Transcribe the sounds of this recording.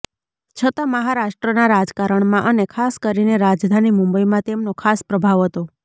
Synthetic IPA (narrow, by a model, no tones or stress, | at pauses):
t͡ʃʰət̪ãməɦaɾaʃʈɾənaɾad͡ʒkaɾəɳmãʔənekʰaskəɾineɾad͡ʒd̪ʱanimʊ̃mbəimãt̪emnokʰaspɾəbʱaʋɦət̪o